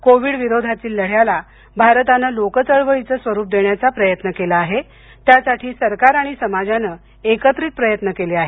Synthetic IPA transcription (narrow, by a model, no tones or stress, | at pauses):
koʋiɽʋiɾod̪ʱat̪iːlːəɽ̤jala | bʱaɾt̪anəlokət͡səɭʋəɭit͡səːsʋəɾuːp̚d̪eɳjat͡sapɾəjət̪nəkelaːɦe | t̪jasaʈʰiːsəɾkaɾaɽ̃isəmad͡zanə | ekət̪ɾiːt̪̚pɾəjət̪nəkeleaɦe